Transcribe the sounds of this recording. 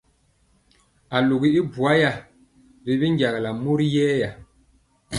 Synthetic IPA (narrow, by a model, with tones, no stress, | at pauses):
a˨lu˨ɡi˨i˦bu˨a˦ja˨ | bi˨βi˦ŋ˦ɡa˨ɣa˨la˨mu˦ɾi˦jɛː˦ja˨